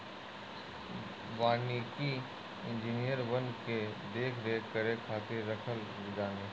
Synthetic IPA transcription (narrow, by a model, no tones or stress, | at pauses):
ʋaːniki | ɪ̃nd͡ʒinijəɾʋɐnked̪eːkʰɾekəɾekʰaːt̪eɾɾɐkʰəl | dɪd̪ãːŋɡeː